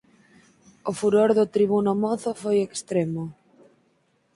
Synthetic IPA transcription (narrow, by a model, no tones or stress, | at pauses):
ʊfuɾoɾðʊt̪ɾiβunʊmɔθʊfojekst̪ɾemʊ